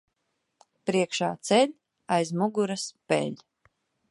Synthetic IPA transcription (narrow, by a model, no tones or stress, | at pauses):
pɾiɛkʃa̰ːt̪sɛlʲ | ajzmuɡuɾaspɛ̰lʲ